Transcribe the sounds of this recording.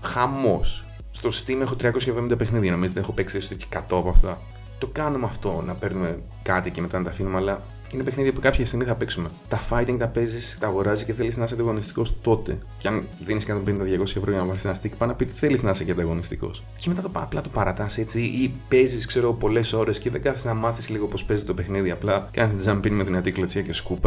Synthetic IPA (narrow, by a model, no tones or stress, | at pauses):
xɐmo̞sː | t̪o̞si̥st̪imɐexo̞t̪ɾiɐko̞sçɐevðo̞mind̪ɐpexniðiɐno̞mizt̪ee̞xope̞ksiesot̪oce̥kɐt̪o̞ɐpɐft̪ɐ | t̪o̞kɐnumɐft̪o̞nɐpe̞ɾnume̞ | kɐt̪iceme̞t̪ɐnɐt̪ɐfinumeɐlɐ | inepexniðiɐpukɐpçɐst̪iɣmiθɐpe̞ksume̞t̪ɐfɐjt̪iŋɡt̪ɐpe̞zist̪ɐːɣo̞ɾɐzisceθe̞liznɐs̬ɐnd̪ɐɣo̞nist̪i̥ko̞st̪o̞t̪e̞̰ceɐnðiniskɐt̪o̞mpenind̪ɐðʝɐko̞sçɐevɾo̞ʝɐnɐpɐɾisenɐst̪icpɐnɐpit̪θe̞liznɐseceɐnd̪ɐɣo̞nist̪iko̞̰s | ceme̞t̪ɐt̪o̰plɐt̪opɐɾɐt̪ɐse̞t͡siʔipe̞ziskse̞ɾoɣopo̞le̞so̞ɾe̞sceðeɡɐθiznɐmɐθisliɣopo̞spe̞zit̪o̞pe̞xniðiɐplɐkɐnist̪d͡zɐmpinmet̪inɐt̪iklot͡siɐce̞skupɐ